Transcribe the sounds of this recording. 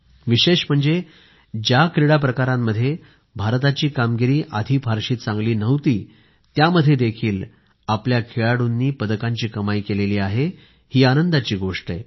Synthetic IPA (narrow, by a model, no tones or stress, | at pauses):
ʋiɕeɕm̤əɳd͡ze | d͡ʑjakɾiɽap̬ɾəkaɾamːəd̪ʱje | bʱaɾt̪at͡ɕiːkamɡiɾiːʔad̪ʱiːfʰaɾɕiːt̪̚t͡sãŋɡliːnəʋt̪iː | t̪jaməd̪ʱːjed̪ekʰiːl | apljakʰeɭaɽunːiːpəd̪əkaɲt͡ɕiːkəmaikeleliːaɦe | hiːanənd̪at͡ɕiːɡoʂʈəe